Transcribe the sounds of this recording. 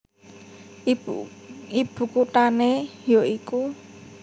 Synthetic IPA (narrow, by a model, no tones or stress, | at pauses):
ib̥ṳkut̪anejoiku